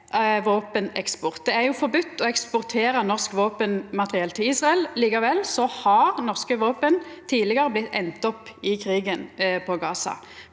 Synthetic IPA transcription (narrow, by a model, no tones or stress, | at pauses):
ʋoːpənɛ̰kspɔʁt̪̚d̪ɛæʁjʊfɔʁbʉt̪ːɔɛkspʊʁt̪ʰeːɾənɔʁskʋoːpənmɑt̪ʁɪɛlt̪ʰɪliːsʁɑɛlliːkɑʋɛlːsɔhɑʁnɔʁskəʋoːpənt̪ʰiːlɪɡəɾəblɪt̪ʰːɛnt̪ɔpːɪkʰʁiːɡənpʰɔɡɑːsɑ̰